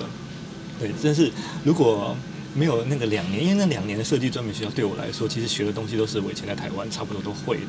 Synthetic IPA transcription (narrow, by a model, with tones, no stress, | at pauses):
t̪we˥˩ɪta˥˧nʂ̬ɻ̩˥˩ɻu˧˥kwɔ˨˩ | me˧˥ɪjo˨˩ʊna˥˩ɡə˩ljɑ˨˩ŋnɛ˧˦ni˥we˥˧n˥˩ljɑ˨˩ŋnjɛ˧˥nd̪ə˧ʂɤ˥˧t͡ɕi˥˧˩ʈ͡ʂwa˥nmjɛ˧˥nɕjt̪we˥˩ɪwɔ̰˨˩ʔa̰˧˥ɪʂwɔ˥t͡ɕʰi˧˥ʂɻ̩˧˥ɕɥɛ˧˥lə˧t̪ʊ˥ŋɕi˧t̪o˥ʊʂ̬ɻ̩˥˩we˨˩ɪt͡ɕjɛ˧˥nt͡sa˥˩t̪ʰa˧˥ɪwa˥˦nʈ͡ʂʰa˥˧pu˧˩wɔ˥t̪o˥ʊxwe˥˩ɪd̪ə˩